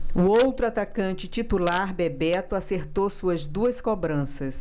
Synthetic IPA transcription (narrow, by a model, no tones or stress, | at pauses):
ʊowt̪ɾʊat̪akɐ̃nt͡ʃɪt͡ʃit̪ulaɾbebɛt̪ʊaseɾt̪owsuɐzd̪uɐskobɾɐ̃sɐs